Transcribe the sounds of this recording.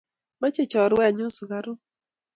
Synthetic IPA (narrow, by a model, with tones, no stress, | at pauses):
ma˦t͡ʃe˦˨t͡ʃɔ˨ɾʊ˨˦wɛ˦˨ɲʊ˦sʊ˨ɡa˨ɾʊ˦